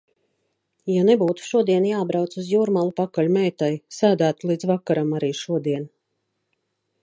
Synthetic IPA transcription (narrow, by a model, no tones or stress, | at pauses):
janebuːt̪u̥ʃuɔd̪iɛnjaːbɾawt̪suzjuːɾmalˠupakalʲumɛjt̪ajsæːd̪æːt̪ulˠiːd̪zvakːaɾamaɾiːʃuɔd̪iɛn